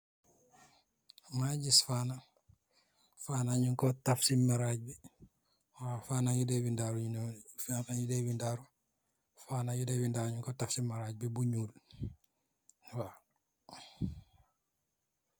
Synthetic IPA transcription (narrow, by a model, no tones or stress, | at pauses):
maɟisfaːna | fanaɲuŋkɔtafsimaɾaɟ̚bi | wafaːnajudewindaɾufanajudewindaɾo | fanajudewindaɾɲuŋkɔtafsimaɾaɟbibuɲuːl | wa